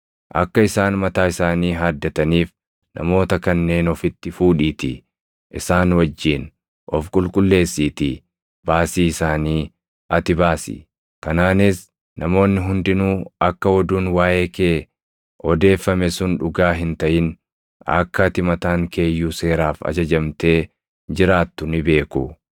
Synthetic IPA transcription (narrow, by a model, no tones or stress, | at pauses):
ʔɐ̰kːɐɪsaːnmɐt̪aːɪsaːniːɦaːd̪ːɐt̪ɐniːf | nʔɐ̰mo̞ːt̪ɐkɐnːe̞ːnɔfɪt̪ːɪfuːᶑiːt̪ɪ | ʔɪsaːnwɐd͡ʒːiːn | ʔɔfkʼʊlkʼʊlːe̞ːsːiːt̪i | baːsiːɪsaːniː | ʔɐt̪ɪbaːsɪ̰ | kɐnaːnɪs | nɐmo̞ːnːɪɦʊnd̪ɪnuːɐkːɐwɔd̪uːnwaːʔe̞ːkeː | ɔd̪e̞ːfːɐmɛsʊnᶑʊɡaːɦɪnt̪ɐʔɪn | ɐ̰kːɐt̪ɪmɐt̪aːŋkʰe̞ːjːuːse̞ːɾaːfɐ̰d͡ʒɐd͡ʒɐmt̪e̞ː | d͡ʒɪɾaːt̪ːʊnɪbe̞ːkʊ